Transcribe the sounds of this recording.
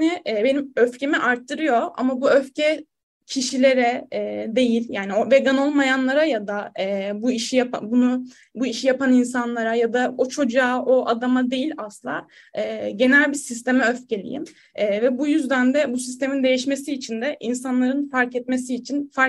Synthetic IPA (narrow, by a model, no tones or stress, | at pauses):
niʔːbe̞nimøfcʰe̞miʔaɾt̪ʰːɯɾɯjo̞a̰mabuøfcʰɛ | cʰiʃilʲe̞ɾɛːd̪e̞jilʲjaːniove̞ɡano̞lˠmajanlˠaɾajad̪aːbuiʃijapa̰bunu | buiʃijapaninsanlˠaɾajad̪aot͡ʃʰo̞d͡ʒaːʔo̞ʔad̪amad̪e̞jilʲaslˠa̰ | ɯːɟe̞nælʲbisis̬t̪ʰe̞mɛøfce̞lʲḭjḭmː | vɛbujyzd̪ænd̪ɛbusist̪e̞mind̪e̞jiʃme̞siːt͡ʃʰind̪ɛʔinsanlˠaɾɯnfaɾkɛt̪̚me̞siːt͡ʃʰinfaɾ